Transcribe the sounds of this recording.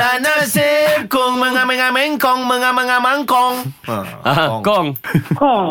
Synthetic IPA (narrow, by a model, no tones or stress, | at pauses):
anasekoŋməŋamɛŋamɛŋkɔŋməŋamaŋamaŋkɔŋakɔŋ